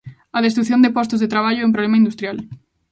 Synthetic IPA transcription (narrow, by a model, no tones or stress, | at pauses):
ɐðest̪ɾuθjond̪epɔst̪ozðet̪ɾaβaʎʊɛũmpɾolemaind̪ust̪ɾjal